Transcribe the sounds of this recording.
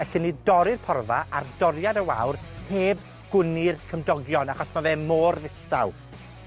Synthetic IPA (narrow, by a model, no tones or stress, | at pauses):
ɛɬənidɔɾɪrpʰɔrvaʔard̥ɔrjadəwa̰wrheːb | ɡ̥ʊnɪrkʰəmdɔɡjɔnaχɔsmaveːmoːrðɪstaw